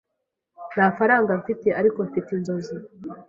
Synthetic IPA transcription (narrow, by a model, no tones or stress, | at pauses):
nafaɾaːŋɡaɱfiteʔaɾikoɱfitindozi